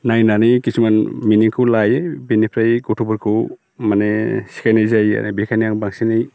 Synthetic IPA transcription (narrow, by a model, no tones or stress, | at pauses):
najnanijkisumanminiŋkʰɯwlajebinipʰɾajɡɔtʰubɔɾkʰɯ | manesi̥kʰajnajzaja̰nebikʰajnijaŋbaŋsinaj